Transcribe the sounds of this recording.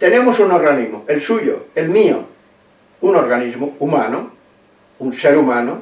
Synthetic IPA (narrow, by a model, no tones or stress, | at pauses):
t̪enemosunoɾɣanizmoelsuʎo̰elmio̰ | unoɾɣanizmoumano | unseɾumãno